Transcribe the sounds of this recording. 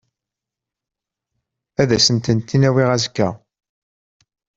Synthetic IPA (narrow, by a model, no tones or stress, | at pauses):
æðæsənt̪ənt̪ːinæwiʁæzkːæ